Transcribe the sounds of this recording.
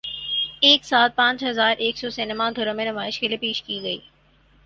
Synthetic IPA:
eːksaːl̚pãːt͡ʃɦɐzaːɾʔeːksɔːsenemãd̪ʱʊɾə̃mẽnʊmaːɪʃkelepeːʃkiːɡɐḭː

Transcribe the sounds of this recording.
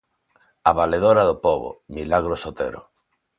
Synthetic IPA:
aβaleðoɾaðopoβo̰milaɣɾosot̪ḛɾo̰

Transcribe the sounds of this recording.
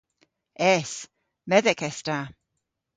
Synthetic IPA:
ɛs | mɛðɛkʰɛsta

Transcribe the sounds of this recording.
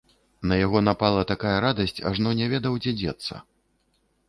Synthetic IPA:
nɐjaɣɔnapalˠɐt̪akajɐɾad̪ɐsʲt͡sʲa̰ʐnɔnʲɛvʲɛd̪ɐwd͡zʲɛd͡zʲɛ̰t̪sːɐ̰

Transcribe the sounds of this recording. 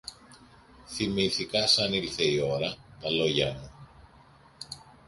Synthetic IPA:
θimiθikɐsɐnilθe̞io̞ɾɐt̪ɐlo̞ʝɐmu

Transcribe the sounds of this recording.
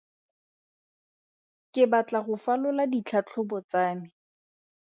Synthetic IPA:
kɪbat͡ɬaχʊfalʊladit͡ɬʰat͡ɬʰʊbɔt͡saːnɪ

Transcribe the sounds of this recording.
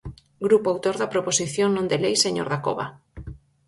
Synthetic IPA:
ɡɾupoawt̪oɾðapɾoposiθjoŋnõnd̪elejseɲo̰ɾðako̰βa̰

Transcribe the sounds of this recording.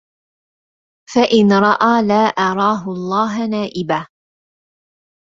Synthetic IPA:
faʔɪnɾˤɑʔaːlaːʔɑɾˤɑːɦʊɑlˤːɑːɦnaːʔɪbaː

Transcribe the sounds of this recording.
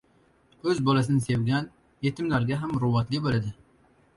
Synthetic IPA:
ɵzbɒlas̬ɪnɪse̞wɡʲan | jet̪ʰɪmlaɾɡʲaɦamɾʊwɑt̪lɪbolad̪ɪ

